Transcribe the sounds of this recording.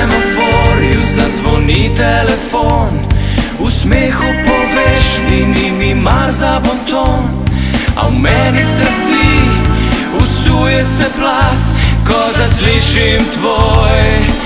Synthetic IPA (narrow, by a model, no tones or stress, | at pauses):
ɛmot̪ʋɔɾiwzazʋɔnit̪ɛlɛfon | usmexupɔʋɛʃnimimimaɾzabɔnt̪on | a̰wmɛnist̪ɾast̪i | usujɛsɛplaskɔzasliʃimt̪ʋojɛ